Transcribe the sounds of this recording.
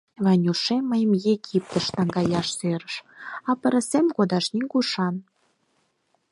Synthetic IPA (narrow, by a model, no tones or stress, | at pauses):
βɑnʲuʃemːəjəmjeɡip̚t̪ə̆ʃt̪ɑŋɡɑjɑʃseɾəʃɑpə̆ɾə̆semɡod̪ɑʃniŋɡuʃɑn